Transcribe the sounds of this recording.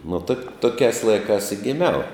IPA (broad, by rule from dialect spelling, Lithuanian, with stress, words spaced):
nʊ tɐk ˈtoːkʲæːs ˈlˠɐɪkɑːs ɪ ɡʲɪˈmʲɛʊ